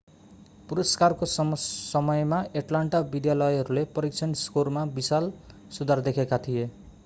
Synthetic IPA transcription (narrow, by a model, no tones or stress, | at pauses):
puɾʌskarkossʌmʌjmaeʈlaɳʈabid̪jalʌjɦʌɾulepʌɾik̚t͡sʰʌnskormabisal | sud̪ʱard̪ekʰekat̪ʰije